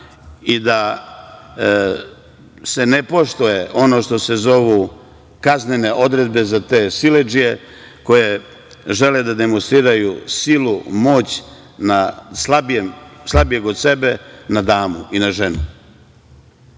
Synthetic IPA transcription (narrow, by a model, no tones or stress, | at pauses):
id̪a | se̞ne̞po̞ʃt̪oje̞ʔo̞no̞ːʃt̪o̞se̞zo̞ʋu | kaznene̞ʔo̞d̪ɾe̞d̪bezat̪e̞ːsiled͡ʒije̞ | ko̞je | ʒe̞led̪ad̪e̞monst̪ɾiːɾajusilumo̞ːt͡ɕ | naslabemslˠabije̞ɡod̪se̞benad̪aːmuinaʒe̞nu